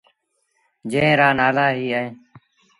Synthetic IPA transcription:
d͡ʒẽːɾaːnaːlaːɦiːaːẽː

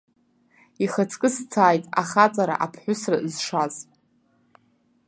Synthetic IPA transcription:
iχat͡sʰkʼɨst͡sʰaːjtʼa̰χat͡sʼaɾa̰ʔapʰħʷʊsrazʂaz

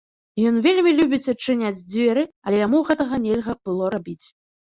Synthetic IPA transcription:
jɔnvʲelʲmʲilʲubʲit͡sʲɐt͡ʂːɨnʲad͡zʲd͡zʲvʲɛɾɨɐlʲɛjamuɣɛt̪ɐɣɐnʲɛlʲɣɐb̥ɨlˠɔɾabʲit͡sʲ

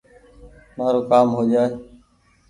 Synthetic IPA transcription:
maːɾoːkaːmɦoːd͡ʒaːɦeː

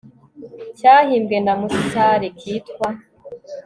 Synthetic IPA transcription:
caːhiːmɡendamusicaɾekʰiːtkwa

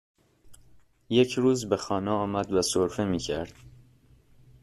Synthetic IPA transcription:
je̞cʰɾuːzbe̞xɒːneɒːmæd̪væsoɾfemiːcʰæɾd̪̥

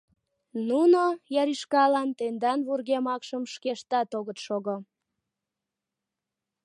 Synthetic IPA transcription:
nunojɑɾiʃkɑlɑnt̪end̪ɑnβurɣemɑkʃəmʃkeʃt̪ɑt̪oɣət̪ʃoɣo

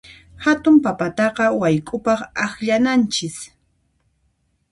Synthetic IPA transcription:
hat̪ʊmpapat̪ɑqɑwajkʼʊpɑχaxʎanant͡ʃɪs

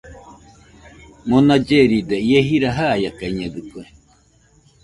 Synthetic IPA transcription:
monad͡ʒeɾid̪eieɦiɾaɦajakaiɲẽɡɨkue

